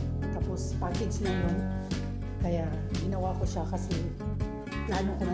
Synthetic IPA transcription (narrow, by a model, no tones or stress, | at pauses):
t̪aːpospakɪɡsɪnaŋon | kɐjaʔ | ɡɪnɐwakoʃakɐsɛ | laːnokoma